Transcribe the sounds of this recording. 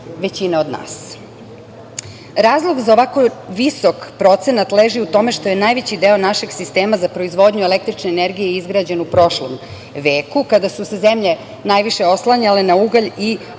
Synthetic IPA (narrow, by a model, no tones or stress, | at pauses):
ʋet͡ɕinaod̪na̰ːs | ɾaːzlˠo̞ɡzaoʋako̞ʋiso̞kpɾo̞t̪se̞nat̪leːʒiut̪o̞me̞ʃt̪o̞je̞najʋet͡ɕid̪eːonaʃeɡsist̪eːmazapɾo̞izʋo̞d̪ɲue̞lek̚t̪ɾit͡ʃneːneɾɡijeizɡɾad͡ʑe̞nupɾo̞ʃlo̰m | ʋeːkukad̪asusezemʎe̞ | najʋiʃe̞o̞slˠaɲale̞nauɡaʎi